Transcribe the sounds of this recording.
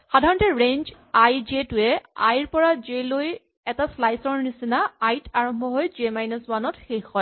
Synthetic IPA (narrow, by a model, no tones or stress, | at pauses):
xadʱaɹɔntɛɹend͡ʒ | ajd͡ʒetʊɛajɹpɔɹazeloj | ɛtaslajsɔɹnisinaajtʰaɹɔmbʱɔɦojd͡ʒemajnaswanɔtxexɔj